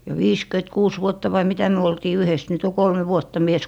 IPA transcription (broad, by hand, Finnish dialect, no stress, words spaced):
jɑ ʋiːskyĕtkuːs ʋuotːɑ ʋɑi mitæ myø oltiː yhes nyt o kolme ʋuotːɑ mies